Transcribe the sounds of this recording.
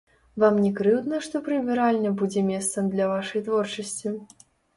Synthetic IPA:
vamnʲɛkɾɨwd̪nɐʂt̪ɔpɾɨvʲɛɾalʲnɐbud͡zʲɛmʲɛst̪sɐmd̪lʲɐvaʂɐjt̪vɔrt͡ʂɐsʲt͡sʲi

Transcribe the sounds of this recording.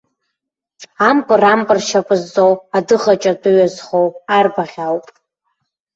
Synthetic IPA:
ampʼɨrampʼɨrʃapʼɨzːowadɨχat͡ʃʼadɨɥazχowarbaʁʲawpʼ

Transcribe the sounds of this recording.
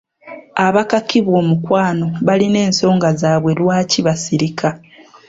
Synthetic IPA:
aβakakiβwo̞ːmukwaːno̞βaline̞ːnso̞ːŋɡazaːβwe̞lwaːciβasiɾika

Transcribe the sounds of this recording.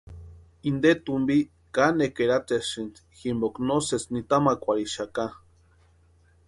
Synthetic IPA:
ind̪et̪umbi | kanekeɾat̪esɨnt̪ | ximboknoset͡snit̪amakʷaɾiʃaka

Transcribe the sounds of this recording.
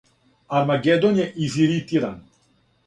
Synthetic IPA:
aɾmaɡɛd̪onʲjɛʔiziɾit̪iɾan

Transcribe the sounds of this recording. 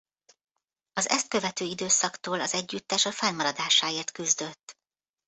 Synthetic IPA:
ɒzɛ̰st̪̚kø̞vɛt̪øːid̪øːsɒkt̪oːlɒzɛɟːyt̪ːɛʃɒfɛlmɒɾɒd̪aːʃaːeːrt̪kyzd̪ø̞t̪ː

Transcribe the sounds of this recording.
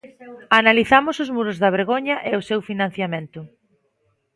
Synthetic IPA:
analiθamʊsʊzmuɾʊzðɐβ̞eɾɣoɲɐʔeʊsewfinãn̟θjamẽnt̪ʊ

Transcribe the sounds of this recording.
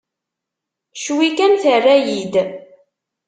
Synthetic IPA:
ʃwikænθərːæjid̪

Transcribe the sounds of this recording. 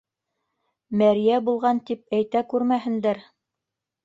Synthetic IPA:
mæɾijæbulˠʁɑnt̪ip̚æjt̪ækʉɾmæɦɘ̆nd̪æɾ

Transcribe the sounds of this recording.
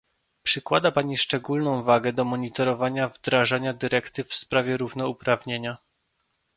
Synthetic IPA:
pʂɘkwad̪apaɲiʂt͡ʂɛɡulnɔ̃w̃vaɡɛd̪ɔmɔɲit̪ɔɾɔvaɲavd̪ɾaʐaɲad̪ɘɾɛkt̪ɘfspɾavʲjɛɾuvnɔupɾavɲeɲa

